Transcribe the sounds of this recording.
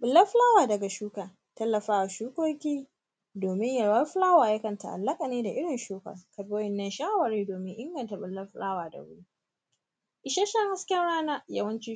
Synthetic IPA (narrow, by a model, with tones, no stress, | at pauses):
ɓɪ˨lːɐ˦ɸlaː˦waː˨dɐ˨ɡa˨ʃuː˦kaː˨ | tɐ˦lːɐ˨ɸaː˦ʔa˨ʃuː˦kʷoː˦kʲiː˦ | doː˨mɪ˦ɲjɐ˨ɽwɐ˦ɸɪ˦laː˦waː˨jɐ˦kɐ˨nta̰˨ʔa̰˨lːɐ˦kʼa˨neː˦da˨ʔɪ˦ɽɪ˨nʃuː˦kɐ̰˨rkɐ˨boː˦jɪ˨nːɐ˦nʃaː˦wɐ˨ɾeː˦doː˨mɪ˦ŋʔɪ˦ŋɡɐ˨nta˨ɓɪ˨lːɐ˦rɸʊ˦laː˦waː˨dɐ̰˨wʊ˦ɽu˦ | ʔɪ˨ʃɐ˦ʃɐ˦ŋha˦skʲɛ˦nɽaː˦na˦jɐ˦wɐ˦nt͡ʃiː˦